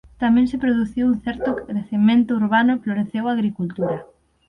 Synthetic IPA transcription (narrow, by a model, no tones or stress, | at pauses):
t̪amɛ̃nsɪpɾoðuθiwun̟θɛɾt̪ʊɾeθemẽnt̪ʊuɾβanʊfloɾeθewaɣɾikult̪uɾɐ